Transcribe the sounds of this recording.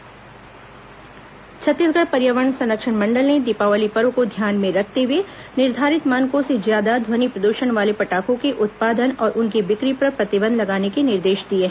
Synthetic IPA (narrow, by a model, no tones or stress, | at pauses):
t͡ʃʰɐt̪ːɪsɡəɽpɐɾjəʋəɳsɐ̃nɾəkʃəɳmɐ̃ɳɖəlned̪ɪpaːʋəlipəɾõkod̪ʱjaːnmẽɾɐkʰt̪eɦʊʋenɪɾd̪ʱaːɾɪt̪maːnkõsezjaːd̪ad̪ʱwɐnipɾɐd̪uːʃənʋaːlepɐʈaːkõkeʔʊt̪̚paːd̪ənɔːɾʔʊnkiʋɪkɾipɐɾpɾɐt̪ɪbə̃nd̪lɐɡaːnekenɪɾd̪eːʃd̪ieː